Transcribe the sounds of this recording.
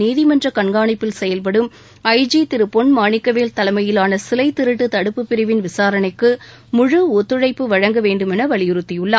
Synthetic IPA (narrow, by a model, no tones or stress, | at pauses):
niːðɪmɐndrɐkɐɳɡaːɳɐɪpːɪlsɛjɐlpɐɽɯm | ɐɪd͡ʒit̪ɪɾɯpːɔnmaːɳɪkːɐʋeːlt̪ɐlɐmɐjɪlaːnɐsɪlɐɪt̪ːɪɾɯʈːɯt̪ɐɽɯpːɯpːɪɾɪʋɪnʋɪsaːɾɐnɐɪkːɯ | mʊɻɯot̪ːɯɻɐɪpːɯʋɐɻɐŋɡɐʋeːɳɖɯmɛnɐʋɐɭɪjɯɾɯt̪ːɪjɯɭːɐ